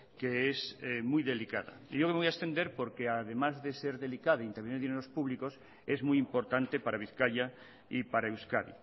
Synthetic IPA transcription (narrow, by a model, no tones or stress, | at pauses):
keesemujðe̞lika̰ða̰ijokeojaest̪end̪eɾpoɾkeaðemazðeseɾðe̞likaðaint̪eɾβeniɾðineɾospuβlikos | ezmujimpo̞ɾt̪ant̪epaɾʔaβ̞iθkaʎa | ipaɾaewskaðḭ